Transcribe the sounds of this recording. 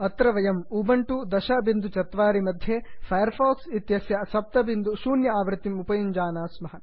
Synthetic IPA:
ɐt̪ɾɐʋɐjɐmubɐɳʈud̪ɐʃɐbind̪ut͡ʃɐt̪ʋaːɾimɐd̪ʱjeːpʰɐjɐɾpʰaːksit̪jɐsjɐsɐp̚t̪ɐbind̪uʃuːnjɐaːʋɾɨt̪imupɐjiɲd͡ʒaːnaːsmɐɦɐ

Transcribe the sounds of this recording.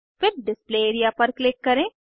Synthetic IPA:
fɪɾɖɪspleːeːɾijapɐɾklɪkːɐɾẽː

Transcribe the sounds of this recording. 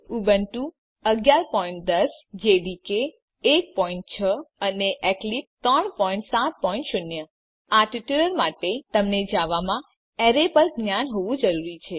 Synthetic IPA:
ubənʈũ | əɡjaɾpɔiɳʈ̚d̪əsd͡ʒeɖikeː | k̚pɔiɳʈ̚t͡ʃʰəəneʔɛklip̚t̪ɾəɳpɔĩɳʈsat̪̚pɔĩɳʈʃʊnjə | aʈiʈuləɾmaʈet̪əmned͡ʒaʋamã | ɛɾepəɾɡnjanɦoʋũd͡ʒəɾuɾit͡ʃʰe

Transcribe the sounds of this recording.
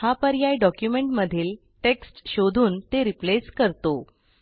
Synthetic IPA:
hapəɾjajɖɔkjumeɳʈməd̪ʱiːl | ʈeksʈɕod̪ʱuːnt̪eɾipleskəɾt̪o

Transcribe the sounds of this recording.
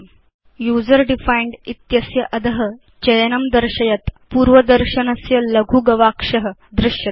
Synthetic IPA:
juːd͡zəɾɖifaiɳɖit̪jɐsjɐʔɐd̪əɦə̆ | t͡ɕɐjɐnɐmd̪əɾɕɐjɐt̪puːɾʋəd̪əɾɕɐnɐsjɐlɐɡʱuɡɐʋakʂɐɦə̆d̪ɾɪʂjɐt̪

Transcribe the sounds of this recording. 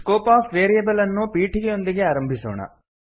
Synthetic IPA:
koːpaːfʋeːɾijɐbɐlɐnːupiːʈiɡejo̞nd̪iɡeaːɾɐmbʱiso̰ːɳɐ̰

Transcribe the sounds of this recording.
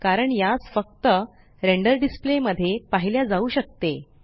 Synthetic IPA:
kaɾəɳjad͡zfək̚t̪ə | ɾeɳɖəɾɖispleməd̪ʱːjepaɦiljad͡zauːɕək̚t̪e

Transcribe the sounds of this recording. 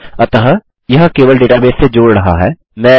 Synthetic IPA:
ɐt̪əɦə | jɐɦkeːʋəlɖeːʈabẽːsːed͡ʒoːɽɾɐɦa̰ɦɛː | mɛ̃ː

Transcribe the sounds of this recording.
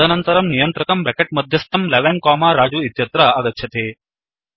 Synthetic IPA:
ɐnɐnt̪ɐɾɐmnijɐnt̪ɾɐkɐmbɛkeʈ̚mɐd̪ʱjɐst̪ɐmlɐʋɛnkaːmaːɾaːd͡ʒuːit̪jɐt̪ɾaɐɡɐkɕʰɐt̪eː

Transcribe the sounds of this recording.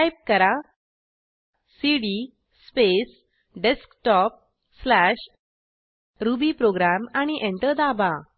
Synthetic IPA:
ajp̚kəɾa | siɽi | spes | ɖeskʈɔp̚ | slaɕ | ɾubiːpɾoɡɾamaɽ̃iʔẽɳʈəɾd̪aba

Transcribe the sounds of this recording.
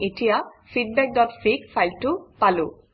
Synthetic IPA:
etijafid̚bɛk̚dɔtfikfʰajltupalu

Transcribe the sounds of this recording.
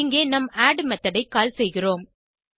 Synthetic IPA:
ɪŋɡeːnɐmaːɖmɐt̪ːɐɽɐɪkːaːlsɛjɣɪroːm

